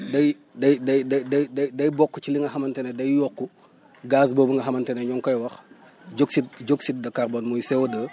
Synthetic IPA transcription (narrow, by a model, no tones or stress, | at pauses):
dɐj | dɐjdɐjdɐjdɐjdɐjdɐjbɔkːut͡ʃiliŋɡɐhɐmɐntɛnɛdɐjjɔkːu | ɡaːs̬bɔːbuŋɡɐɦɐmɐntɛnɛɲɔŋkɔjwɐx | ɟoksit̚ɟoksit̚dɐkarbɔːnmɔjsɛwdə